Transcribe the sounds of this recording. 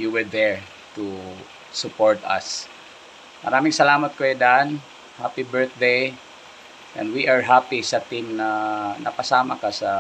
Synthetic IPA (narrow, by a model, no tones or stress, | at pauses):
juwɛɹd̪ɛɹ | t̪u | sʊpoɹt̪ɐ̰s | mɐ̰ɾaːmɪŋsɐlaːmɐt̪̚kɐjod̪an | hapibɛɹθ̚d̪ej | ʔɛ̰̃nd̪wiʔaɹɦapisɐt̪imnɐnʔɐpɐsaːmɐkɐsɐ